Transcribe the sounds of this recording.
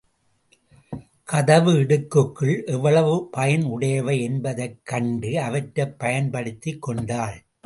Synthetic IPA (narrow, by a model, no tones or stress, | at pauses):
kʰɐðɐʋɯɪɽɯkːɯkːɯɭʔɛʋːɐɭɐʋɯpɐjɐnʊɽɐjɐʋɐɪɛnbɐðɐɪkːɐɳɖɯɐʋɐʈɾɐpːɐjɐnpɐɽɯt̪ːɪkːɔɳɖaːɭ